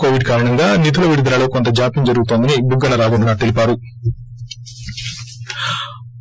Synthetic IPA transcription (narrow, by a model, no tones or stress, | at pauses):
koːʋiɖkaːɾɐɳɐŋɡaːnit̪̬ʰulɐʋiɽud̪ɾaːloːkont̪ɐd͡ʒaːpimd͡ʒɐɾuɡut̪ond̪ɐnibuɡːɐnɐɾaːɡunɐnaːt̪elipaːɾu